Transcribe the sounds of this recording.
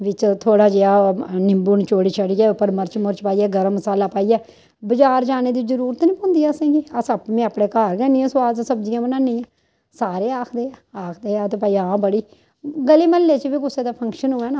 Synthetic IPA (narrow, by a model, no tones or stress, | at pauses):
ʋɪt͡ʃt̪ʰoːɽaːd͡ʒeːaːnɪmbuːnt͡ʃoːɽiːt͡ʃʰəɽiːɛːʊpːəɾməɾt͡ʃmʊɾt͡ʃpaːiːɛːɡəɾəmːəsaːlaːpaːijɛː | bəd͡ʒaːɾd͡ʒaːneːd̪iːzəɾuːɾət̪nĩːpõːnd̪iːaːsẽːɡiːəsəpmẽːaːpɽeːkaːɾkɛːnĩːɛ̃ːswaːsəbd͡ʒijãːbənãːnːĩːãː | saːɾeːaːkʰd̪eːaːaːkʰd̪eːaːt̪eːpaːiãːbəɽiː | ɡəliːməlːeːt͡ʃbiːkʊseːd̪aːpʰə̃ŋkʃənɦʊɛːnaː